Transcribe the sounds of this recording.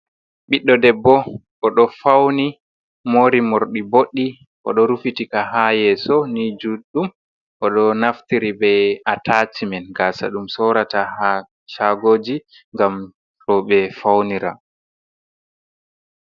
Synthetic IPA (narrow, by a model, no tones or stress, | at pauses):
ɓiɗːɔdɛbːɔ | ʔɔɗɔfawni | moːɾimoɾɗiboɗːi | ʔɔ̰ɗɔɾufitikahajɛsɔnid͡ʒuɗum | ʔɔɗɔnaftiɾibɛjatʰatimɛnɡasa̰ɗumsɔɾataha | ʃaɡoːd͡ʒi | ŋɡam | ɾɔɓɛfawniɾa̰